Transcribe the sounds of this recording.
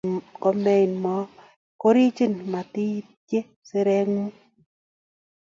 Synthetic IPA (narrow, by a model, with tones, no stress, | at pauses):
kɔ˦mɛ˦˨nmɔ˦ | kɔ˦ɾi˦d͡ʒi˦nma˨t̪i˦ | d͡ʒe˦ | sɪ˦ɾɛ˦ŋmu˦